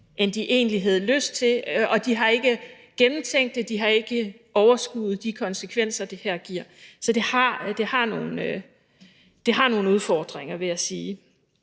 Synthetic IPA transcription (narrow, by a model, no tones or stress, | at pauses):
ʔend̥iʔe̝̰ːnliɦæð̞ˠløsd̥̚t͡sʰe̝ɒ̽d̥iɦɑ̈e̝ɡ̥ə | ɡ̥enm̩t͡sʰeŋ̰d̥ːe̝d̥iɦɑ̈e̝ɡ̥ə | ɒʊɐsɡ̥uːð̩ˠd̥ikʰɒ̽nsəkʰʋen̰sɐd̥ehæɐ̰ɡ̥iɐ̰sɒ̽d̥e̝hɑd̥e̝hɑ̈no̝ːn̩ø | d̥e̝ɦɑ̈no̝ːn̩uð̞ˠfɒːd̥ʁeŋ̰ɐʋe̝jæsiː